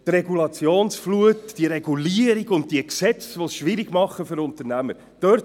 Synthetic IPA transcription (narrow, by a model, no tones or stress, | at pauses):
treɡulɑt͡sjoːnsfluətd̥iəɾeɡuliəɾiɡʊnt̚d̥iəksɛt͡sʋosʃʋɪɾiɡmɑχːəfʏɾʊnt̪əɾnæməɾ | d̥œɾt